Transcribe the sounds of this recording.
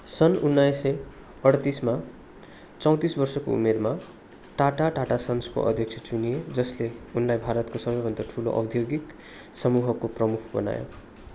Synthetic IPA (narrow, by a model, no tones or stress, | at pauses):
sʌnunːajsʌ | ʌɽt̪isma | t͡sʌw̃t̪isbʌrsʌko̰ṵmerma | ʈaʈaʈaʈasʌnsko̰ʔʌ̰d̪ʱjʌk̚t͡sʰʌt͡sunied͡zʌsleunlajbʱaɾʌt̪kosʌbʌjbʱʌnd̪aʈʰulo̰ʔʌ̰bd̪ʱjoɡik | sʌmuɦʌkoprʌmukʰbʌ̰na̰jo̰